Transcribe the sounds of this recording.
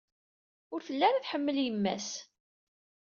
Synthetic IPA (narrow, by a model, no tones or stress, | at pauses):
ʊɾθəlːæɾæθħəmːəljəmːæ̰s